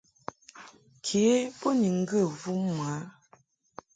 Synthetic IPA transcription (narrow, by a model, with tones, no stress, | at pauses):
kʰe˨˦po˦ni˨ŋ̩˦ɡə˦˨vu˦ma˨˦